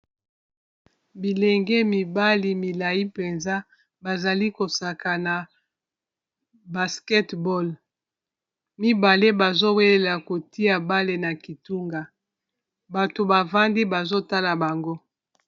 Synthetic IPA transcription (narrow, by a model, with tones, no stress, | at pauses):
bi˨le˨ŋɡɛ˦mi˨ba˦li˨mi˨la˨ji˦pe˨nza˦ | ba˨za˨li˦ko˨sa˨ka˨na˨ | ba˨skɛ˦tbɔ˦l | mi˦ba˨le˦ba˨zo˦we˦le˨la˨ko˨ti˦a˨ba˦le˨na˨ki˨tu˦ŋɡa˨ | ba˨to˨ba˨va˦ndi˦ba˨zo˦ta˦la˨ba˨ŋɡo˦